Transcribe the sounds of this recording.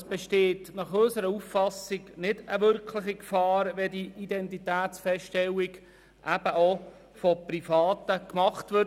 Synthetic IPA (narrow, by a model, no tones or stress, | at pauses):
sb̥ɛʃteːtnɑχøsəɾəufːɑsɪɡnɪdəʋʏɾkʰlɪχikfɑːɾʋɛdiidɛntitæːt̪t͡sfɛstɛlːiɡ | ʔæb̥əʔo | fɔprifɑːtəkmɑχtʋʏ